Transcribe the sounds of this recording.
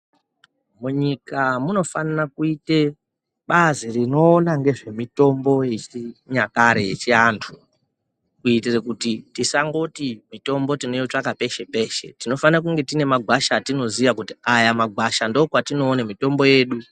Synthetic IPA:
muɲikamuno̞fanarakuite̞ | ɓaziɾino̞ːnaŋɡe̞ʐe̞mito̞mbo̞jet͡ʃiɲakaɾejḛt͡ʃiantʰu | kuitirekutitisaŋɡo̞timito̞mbo̞tino̞iot͡ʂakape̞ʃe̞pe̞ʃe̞̰tino̞fanrak̬uŋɡe̞tine̞maɡʱwaʃatino̞ziʋakutiajamaɡʱwaʃandokwatino̞ːnemito̞mbo̞je̞ːɗu

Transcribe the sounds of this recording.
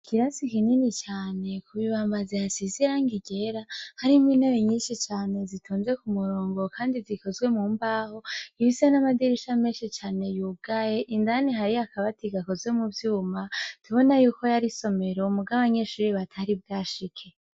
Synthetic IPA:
kʰiɾasikininit͡ʃaːne̞kʰuβiβaːmbazijasiziɾaŋɡiɟe̞ɾahaɾimwinejiɲiːnʃit͡ʃaːne̞zitʰuːnzekumuɾoːŋɡo̞kʰaːndiziko̞zɡwe̞muːmbaːho̞iβisanamadiɾiʃameːnʃit͡ʃaːne̞juːɡ̥aje̞ʔindaniɦaɾiakaβatiɡako̞zwe̞muvjuːmatʰuβo̞najuːko̞jaɾiso̞me̞ɾoumuɡaaβaɲe̞ʃuːɾiβatʰaɾibɡaːʃikʰe̞

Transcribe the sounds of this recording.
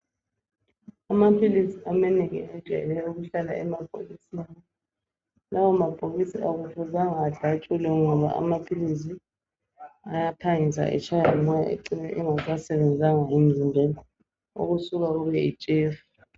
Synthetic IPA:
amapʰilisiamɛniɣḭɛd̥ʒ̥ʱɛ̰lɛjɔuɣuɬala̰ɛmab̥ʱo̰ɣisinanɔ | lawɔmab̥ʼʱoɣisiaɣutʰuzaŋaːɮʱat͡ʃʼulɛuŋɔβa̰ʔa̰mapʰilis̬i | ajapʰaŋisa̰ʔɛ̰t͡ʃʰajɔmaja̰ḛǀinɛʔɛŋas̬asɛβɛnd͡zʱaŋaem̩zimbʱela | o̰ɣusuɣauβɛit͡ʃʼeːf

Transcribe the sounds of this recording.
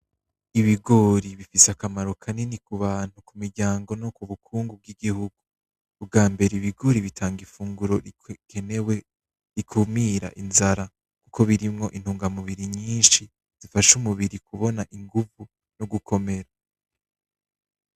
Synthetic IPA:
iβiɡo̞ːɾiβifiseakamaɾo̞kʰaninikuβaːn̥hukumiɾɟaːŋɡo̞nokuβukʰuːŋɡub̚ɡiɡihuɡuː | b̚ɡaːmbe̞ɾeiβiɡo̞ɾiβitʰaːŋɡifuːŋɡuɾo̞kʰenewe | ɾikʰumiːɾa̰ʔinzaɾa | kukʰo̞βiɾimŋo̞ʔin̥huːŋɡamuβiɾiɲiːnʃi | z̥ifaʃumuβiɾikʰuβo̞naʔiŋɡuvu | noɡukʰo̞me̞ɾa

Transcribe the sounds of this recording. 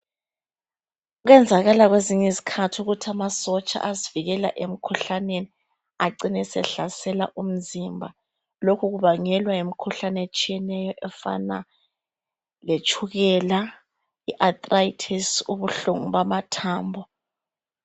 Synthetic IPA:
uɣɛnd͡zʱaɣalaɣweziɲɛzikʰatʰuɣutʰiamasɔt͡ʃʼa̰ʔaziviɣɛla̰ʔem̩kʰuɬaneni | aǀinɛsɛ̰ɬasɛla̰ʔum̩zimbʱa | lokʰuɣuβaŋɛlwaem̩kʰuɬanɛet͡ʃʼijɛnɛjɔʔɛfa̰na̰ | let͡ʃʰʼuɣɛla | iʔat̪ʼraitʰisuβuɬuŋuβamatʰaːmbʱɔ

